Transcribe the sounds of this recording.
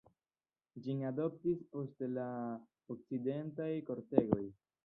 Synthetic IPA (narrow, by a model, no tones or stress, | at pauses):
d͡ʒinado̞p̚tispo̞stela | ok̚t͡side̞ntajko̞ɾte̞ɡo̞j